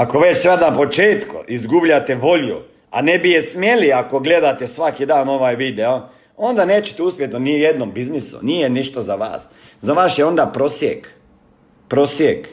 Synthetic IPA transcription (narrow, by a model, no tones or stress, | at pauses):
ako̞ʋe̞t͡ʃsʋad̪napo̞t͡ʃeːt̪kṵʔizɡubʎat̪eʋo̞ʎṵ | a̰nebijesmje̞liako̞ɡle̞d̪at̪esʋakid̪aːno̞ʋajʋid̪eo | o̞nd̪aneːt͡ɕe̥t̪ɛuspʲjet̪nonijed̪nombiznisṵnijeniʃt̪ozaʋa̰ːs | zaʋaːsjeo̞nd̪apɾosjḛk | pɾo̞sjek